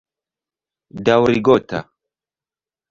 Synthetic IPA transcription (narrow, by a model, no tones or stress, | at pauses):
dawɾiɡɔt̪ʰa̰